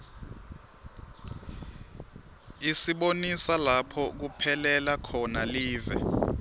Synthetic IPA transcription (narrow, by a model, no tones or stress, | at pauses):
isiɓonisalapʰɔk̬upʰɛlɛlakʰɔnaliːvɛ̰